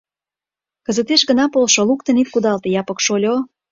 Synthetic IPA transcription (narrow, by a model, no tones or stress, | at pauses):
kə̆zət̪eʃɡənɑpolʃolukt̪ə̆nit̪̚kud̪ɑlt̪ejɑpə̆kʃolʲo